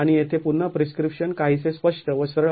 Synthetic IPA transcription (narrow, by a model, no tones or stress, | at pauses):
aɽ̃ijet̪ʰepunːəpɾiskɾipʂənkaɦiːsespəʂʈəʋəsɾəɭ